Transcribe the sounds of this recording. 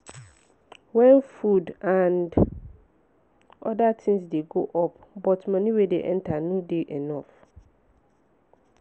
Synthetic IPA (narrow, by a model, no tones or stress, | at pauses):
wɛ̃nfudãnd | ɔdatʰɪ̃ŋsdeɡoʔɔpbɔtmɔ̃nĩwedḛʔɛ̃ntʰanũdeʔɛnɔf